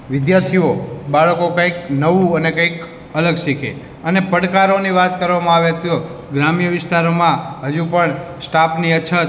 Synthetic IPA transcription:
ʋɪd̪jat̪ʰiobaɭəkokãiknəʋũənekaik | ələɡʃikʰḛ | ənepəɽkaɾoniʋat̪kəɾʋamãaʋet̪jo | ɡɾamjəʋɪst̪aɾomãɦəd͡ʒupəɳsʈapniət͡ʃʰət̪

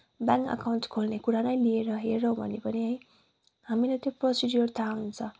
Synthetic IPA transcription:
baŋkʌ̰kawɳʈkʰolnekuɾanʌjlieɾʌɦeɾʌɦõbʱʌ̰nepʌniɦʌj | ɦamilet̪joprosidjurt̪ʰaunt͡sʰʌ

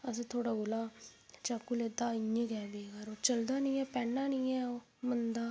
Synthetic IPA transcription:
əs̬ẽːt̪ʰoːɽaːɡolaːt͡ʃaːkːuleːd̪aːɪẽːɡɛːbiːɡaɾoːt͡ʃəld̪aːnĩːɛːpɛːnːaːnĩːɛː | mənd̪aː

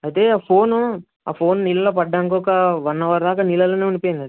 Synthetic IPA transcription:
ɐt̪e̞ːaːpʰo̞ːnu | a̰ːpʰo̞ːnnilɐloːpɐɖːaːŋk̬ɔːkɐʋɐnːɐʋaːɾɐd̪aːkaːnilɐloːneːunipoːjind̪ɐd̪i

